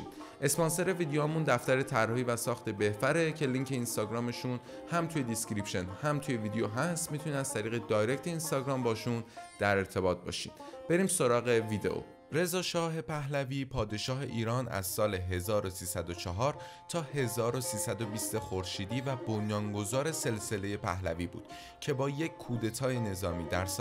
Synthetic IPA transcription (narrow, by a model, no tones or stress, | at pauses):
i | ʔe̞spɒnse̞ɾe̞viːd̪ejomund̪æft̪æɾe̞t̪ʰærːɒhiːvæsɒːxt̪ʰe̞be̞hfæɾe̞cʰe̞liŋkʰe̞inst̪ɒɟɾɒːme̞ʃun | hæmt̪ʰuje̞d̪iskɾipʃe̞nhæmt̪ʰuje̞vid̪ejoɦæst̪mit̪ʰuniæz̥t̪ʰæɾiːɣe̞d̪ɒːjɾect̪ʰe̞inst̪ɒɡɾɒːmbɒːʃund̪̥æɾe̞ɾt̪ʰe̞bɒːt̪̚bɒ̰ːʃḭd̪b̥e̞ɾiːmso̞ɾɒːɣe̞vid̪eʔo̰ | ɾe̞zɒːʃɒːɦe̞pʰæɦlæviːpʰɒːd̪e̞ʃɒːɦe̞ʔiːɾɒːnæ̰zsɒːle̞ɦe̞zɒːɾo̞siːsæd̪ot͡ʃʰɒɦɒːɾ | t̪ʰɒːhe̞zɒːɾo̞siːsæd̪o̞biːst̪exoɾʃiːd̪iːvæbo̞njɒːŋɡo̞zɒːɾe̞se̞lse̞le̞je̞pʰæ̰ɦlæ̰viːbṵːd̪̥ | cʰe̞bɒːjecʰkʰuːd̪e̞t̪ʰɒːje̞ne̞zɒːmiːd̪æɾs